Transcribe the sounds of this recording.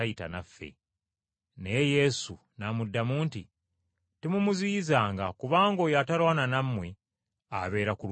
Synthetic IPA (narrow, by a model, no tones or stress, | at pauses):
ajita̰nafːe̞̰ | neje̞su | namudːamuːnti | temumuzizaːŋɡakuβaːŋɡo̞ːjatalwaːnanamːwe | aβe̞ːɾakul